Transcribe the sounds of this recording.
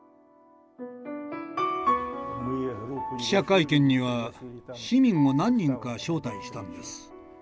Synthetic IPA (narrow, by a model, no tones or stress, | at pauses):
ɕakaikẽ̞ɲ̟ːiβaɕimʲĩŋo̞nãɲ̟ːĩŋkaɕo̞ːt̪aiɕi̥t̪anod̪e̞sɨ̥